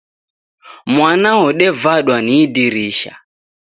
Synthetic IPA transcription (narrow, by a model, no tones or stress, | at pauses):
mwanaɔɗɛvaɗwaniːdiɾiʃa̰